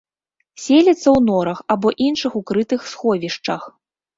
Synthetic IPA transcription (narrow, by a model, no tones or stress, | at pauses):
sʲelʲɛt̪sːɐwnɔɾɐxabɔʔinʂɨxukɾɨt̪ɨxsxɔvʲiʂt͡ʂɐx